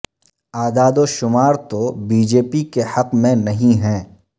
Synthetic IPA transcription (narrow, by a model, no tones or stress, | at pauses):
aːd̪aːd̪oʃʊmaːɾt̪obiːd͡ʒeːpikehɐqmẽnɐɦĩɦɛ̃ː